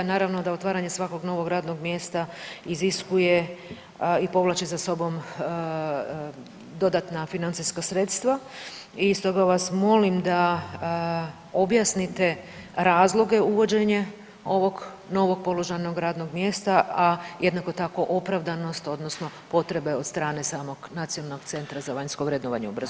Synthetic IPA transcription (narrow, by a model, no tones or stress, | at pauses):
naːɾaʋno̞d̪ao̞t̪ʋaːɾaɲe̞sʋako̞ɡno̞ʋo̞ɡɾaːd̪no̞ɡmje̞ːst̪aiziskuje̞ | ipo̞ʋlˠat͡ɕizaso̞bo̞m | d̪o̞d̪at̪nafinant̪siskasɾe̞t̪st̪ʋa | ist̪o̞ɡaʋasmo̞limd̪a | o̞bjasnit̪e̞ɾaːzlˠo̞ɡe̞uʋo̞d͡ʑe̞ɲe | o̞ʋo̞ɡ | no̞ʋo̞ɡ̥̚po̞lˠo̞ʒajno̞ɡɾaːd̪no̞ɡmje̞ːst̪aajed̪nako̞t̪ako̞ʔo̞pɾaʋd̪ano̞st̪o̞d̪nosno̞po̞t̪ɾe̞beod̪st̪ɾaːne̞saːmo̞ɡnat̪sijonalnoɡ̚t̪se̞nt̪ɾazaʋaɲsko̞ʋɾed̪noʋaɲeubr̩zu